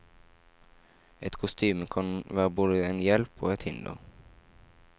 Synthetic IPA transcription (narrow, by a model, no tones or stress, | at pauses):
ɛt̪kʰʊst̪yːməkʰɑnʋæːʁəboːd̪əeːnjɛlpʰo̰ːɛt̪hɪnd̪ʊ̰